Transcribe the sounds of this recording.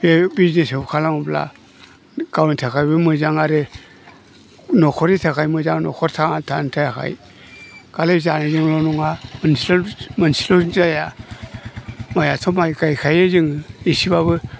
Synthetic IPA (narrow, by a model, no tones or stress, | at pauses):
bebiznesebkʰalambla̰ | ɡ̥awnitʰakʰajbɯmɯzaŋaɾe | nɔkʰɔɾitʰakajmɯzaŋnɔ̰kʰɔɾtʰaatʰantʰajakʰa̰j | ɡ̥alezanezɯŋlɔnuŋamənsilmansi̥lozaja | majatʰɔmajɡajkʰajezɯŋisibaβɯ